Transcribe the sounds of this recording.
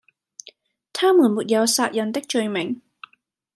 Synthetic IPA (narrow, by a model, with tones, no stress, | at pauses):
t̪ʰaː˥muː˨˩nmuː˨t̚jɐ˨˧wsaː˧t̚jɐ˨˧nt̪ɪ˥k̚t͡ʃɵ˧ɥmɪ˨˩˦ŋ